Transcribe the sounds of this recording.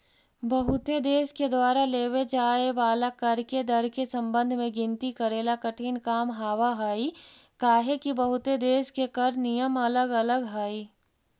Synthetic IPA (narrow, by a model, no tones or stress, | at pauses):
bɐɦʊt̪ed̪eːsked̪waːɾaleːwed͡ʒaːeʋaːlakɐɾked̪əɾkesɐ̃mbə̃nd̪ʱmẽɡɪ̃nt̪ikɐɾeːlakəʈʰiːnkaːmɦaːʋaɦaːi | kaːɦekibɐɦʊt̪ed̪eːskekəɾnijəmɐləɡɐləɡɦaːi